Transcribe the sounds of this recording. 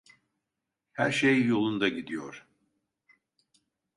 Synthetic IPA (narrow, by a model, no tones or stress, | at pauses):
hæ̰ɾʃejːo̞lˠund̪aɟid̪ijoɾ̥